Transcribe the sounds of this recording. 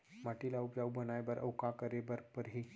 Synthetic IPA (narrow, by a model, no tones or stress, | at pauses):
maʈilaupd͡ʒaubʱənajbəɾʔə̰wkakəɾebəɾpəɾɦi